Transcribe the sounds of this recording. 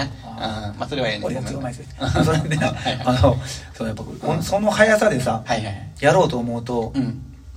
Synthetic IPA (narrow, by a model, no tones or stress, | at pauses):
ɯ̃masoɾeβaeoɾeasimaisd̪esoɾed̪eanosojapːakkonso̞no̞hajasad̪e̞sahajaɾo̞ːt̪o̞ːmo̞ɯ̟t̪o̞